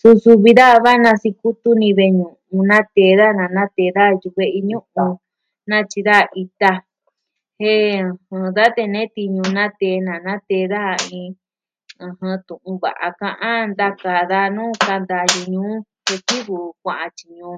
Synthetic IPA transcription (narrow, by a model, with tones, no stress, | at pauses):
su˧su˧βi˧ða˦˧βa˦nã˧si˧ku˦t̪u˦nĩ˧βe˧ɲũ˨ʔũ˧nã˦t̪e˧˦ða˦nã˨nã˦t̪eː˧ða˦˧ju˧βe˧ʔi˧ɲũ˦ʔũ˧ | nã˦t͡ʃi˧ða˦˨ʔi˧t̪a˧ | he˦˧hɨ̃˧ða˦t̪e˧nẽ˦t̪i˧ɲũ˧nã˦t̪e˧nã˨nã˦t̪e˧˦˧ða˦˧ĩ˧ | ɨ̃˧hɨ̃˧t̪ũ˨ʔũ˧βa̰˨ʔa̰˧kã˧ʔã˦nd̪a˦ka˧˨ða˦˧nũː˦ka˧nd̪a˧ju˧ɲũː˨˦ | he˧ki˦βu˨kʷã˧ʔã˧t͡ʃi˨ɲũː˨˦˧